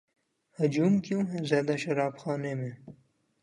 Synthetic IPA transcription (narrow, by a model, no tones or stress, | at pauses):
hʊd͡ʒuːmkjũːɦɛzjaːd̪aʃɐɾaːbxaːnemẽː